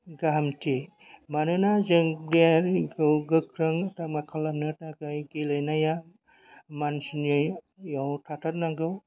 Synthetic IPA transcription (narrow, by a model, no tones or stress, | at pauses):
ɡaɦamtʰi | manɯnazɯŋliaɾɡɯwɡɯkʰɾɯŋtamakʰalanɯtakajɡelɯjnaja | mansinɯ | jawtʰatʰat̚naɡɯw